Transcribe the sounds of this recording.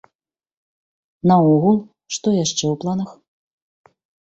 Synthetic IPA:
nɐɔɣulˠ | ʂt̪ɔjaʂt͡ʂɛwplˠanɐx

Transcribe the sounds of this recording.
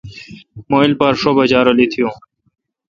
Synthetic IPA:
moːilpɐɾʂobɐd͡ʑaːɾolit̪ʰijõː

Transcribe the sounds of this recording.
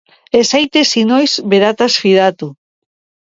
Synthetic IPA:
esejt̪esinojsbeɾat̪asfiðat̪u

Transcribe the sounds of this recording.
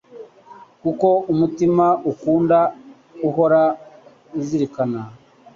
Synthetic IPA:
kuko̞umutimaʔukuːnda | uɦo̞ɾa | uziɾikana

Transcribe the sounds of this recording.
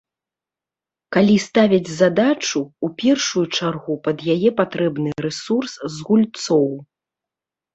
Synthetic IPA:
kalʲist̪avʲɐd͡zʲzad̪at͡ʂuupʲɛrʂujut͡ʂarɣupɐd̪jajɛpat̪ɾɛbnɨɾɛsurszɣulʲt̪sɔw

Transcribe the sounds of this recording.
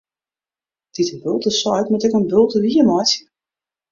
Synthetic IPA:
d̥itəbølˠtəsɔjtmutɛkənbølˠtədiəmɔjsə

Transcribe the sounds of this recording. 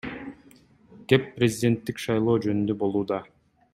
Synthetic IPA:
ɡ̥e̞pːrʲezʲɪdʲe̞nt̪ːikʃɑjlˠo̞ːd͡ʒønynd̪øbo̞lˠuːd̪ɑ

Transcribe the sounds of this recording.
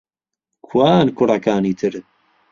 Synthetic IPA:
kʰwaːnkʰʊrˤɐkʰaːniːt̪ʰɨɾ

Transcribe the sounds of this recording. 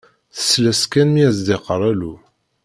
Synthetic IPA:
θə̥sːlæskænmiæzd̪eqəɾˤælu

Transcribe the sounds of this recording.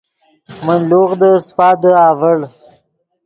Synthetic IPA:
mənloɣd̪əspɑːd̪əɑːvəɽ

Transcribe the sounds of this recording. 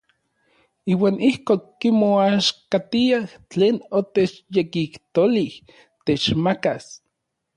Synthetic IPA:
iːwaːnihkoːkːimoaʃkat̪iaht͡ɬeːnot̪et͡ʃjekikt̪olih | t̪et͡ʃmakas

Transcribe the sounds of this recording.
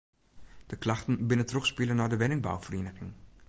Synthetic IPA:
d̥əklɑχtənbɪnəntrɔχspilənaːɹdəʋɛnɪŋba̰wfərinəχɪŋ

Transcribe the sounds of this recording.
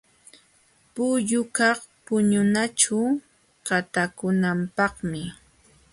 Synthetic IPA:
pʊʎʊkɑχ | pʊɲʊnat͡ʃʊ | ɢat̪akʊnampɑχmɪ

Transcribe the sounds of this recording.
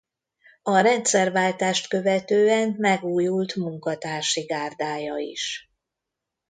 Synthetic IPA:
ɒɾɛnt̪sɛrvaːlt̪aːʃt̪kø̞vɛt̪øːɛmmɛɡuːjult̪muŋkɒt̪aːrʃiɡaːrd̪aːjɒḭʃ

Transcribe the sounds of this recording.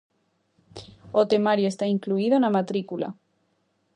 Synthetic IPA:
ot̪emaɾjoest̪aiŋkluiðonamat̪ɾikula̰

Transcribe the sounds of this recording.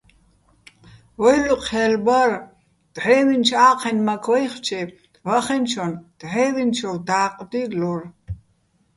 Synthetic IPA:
wɔjluqʰɛlbɐr | d̪̥ʕɛːwint͡ʃʰaːqʰɛnmakʰwɔjχt͡ʃʰɛ | vaχɛnt͡ʃʰɔnd̪̥ʕɛːvint͡ʃʰɔld̪aːqʼd̪ilɔr

